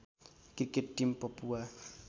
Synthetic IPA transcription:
kikɪtːimpɔpua

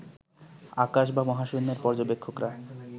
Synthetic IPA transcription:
akaʃ̬bamɔɦaʃonːeɾpɔɾd͡ʑobekʰːokɾae

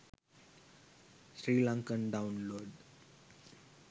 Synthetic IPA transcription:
sɾiːlãŋkənɖaʊ̃nloːɖ

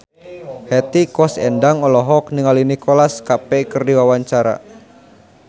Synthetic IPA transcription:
hɛt̪ikɔsɛ̰ndaŋɔlɔɦɔk̚niŋalinikɔlaskapɛkɨrdiwawaɲt͡ʃaɾa̰

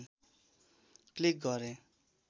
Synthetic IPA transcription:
klik̚ɡʌɾẽ

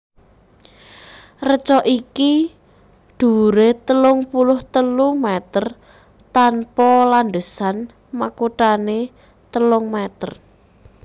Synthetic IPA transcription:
rət͡ʃɔʔiki | ɖ̪̥ṳɾet̪əlʊŋpulʊht̪əlumɛt̪ər | t̪anpɔland̪əsan | makuʈane | t̪əlʊŋmɛt̪ər

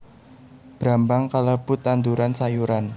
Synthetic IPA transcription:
b̥ɾambaŋkaləbut̪and̪uɾansajuɾan

